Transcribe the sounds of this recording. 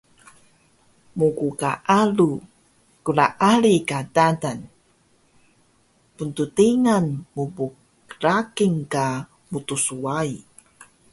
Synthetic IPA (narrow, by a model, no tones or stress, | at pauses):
mukukaʔalu | kulaʔalikadadan | puntutiŋanmubuk | ɾakiŋka | mut̪usuai